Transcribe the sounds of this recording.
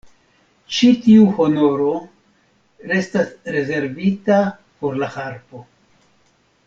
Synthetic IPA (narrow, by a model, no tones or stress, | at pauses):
t͡ʃitiuho̞no̞ɾo̞ | ɾe̞stasɾe̞ze̞ɾvita | po̞ɾlahaɾpo̞